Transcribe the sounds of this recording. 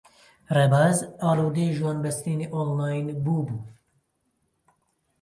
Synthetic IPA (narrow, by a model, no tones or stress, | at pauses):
rɛbaːzaːluːd̪eːʒuwɑːnbɛsɾiːneːʔolmaːjnbuːbuː